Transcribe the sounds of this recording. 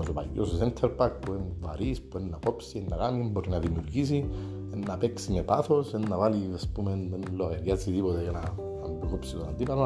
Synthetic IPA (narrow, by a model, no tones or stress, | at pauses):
osopa̰jososent̪ʰeɾpak̚puenva̰ɾispuenːako̞psienːakamiemboɾinaðimijuɾɟisi | enːapeksimepaθo̞senːavaliaspumennloɣeɾjaziðipot̪ejena | nbɾokopsit̪onand̪ipalo